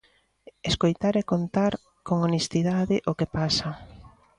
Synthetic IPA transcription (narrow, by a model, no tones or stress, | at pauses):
eskojt̪aɾekont̪aɾ | koŋonest̪iðaðɪʔokepasɐ